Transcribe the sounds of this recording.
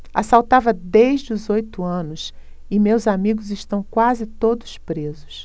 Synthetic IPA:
a̰sawt̪avɐd̪ejʒd͡ʒɪʊzojt̪ʊɐ̃nʊs | ɪmewzamiɡʊzɪʃt̪ɐ̃w̃kwazɪt̪od̪ʊspɾezʊs

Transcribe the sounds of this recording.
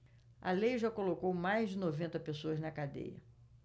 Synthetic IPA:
ɐ̰lejʒakolokowmajzd͡ʒɪnovẽnt̪ɐpesoɐznɐkad̪ḛjɐ̰

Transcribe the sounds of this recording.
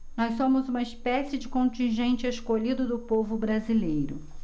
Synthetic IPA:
nɔssõmʊzũmɐɪspɛsɪd͡ʒɪkõnt͡ʃĩʒẽnt͡ʃɪeskoʎid̪ʊd̪ʊpovʊbɾazilejɾʊ

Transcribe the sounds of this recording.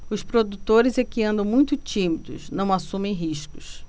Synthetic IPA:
ʊspɾod̪ut̪oɾɪzɛkiɐ̃nd̪ɐ̃w̃mũj̃t̪ʊt͡ʃĩmid̪ʊ̰ʃnɐ̃w̃asũmẽj̃ɦiʃkʊs

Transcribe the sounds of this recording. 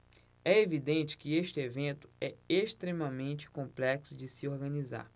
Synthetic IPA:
ɛevid̪ẽnt͡ʃɪ̥kɪeʃt͡ʃɪevẽnt̪ʊ̥ɛeʃt̪ɾemɐmẽnt͡ʃɪ̥kõmplɛksʊd͡ʒɪsɪoɾɡɐ̃niza̰ɾ

